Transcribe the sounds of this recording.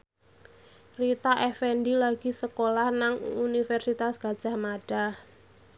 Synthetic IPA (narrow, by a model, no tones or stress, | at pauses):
rit̪aʔɛfɛnɖilaɡ̥i̤səkolahnaŋunifɛrsit̪asɡ̥a̤d̥ʒ̥a̤hmaɖ̥a̤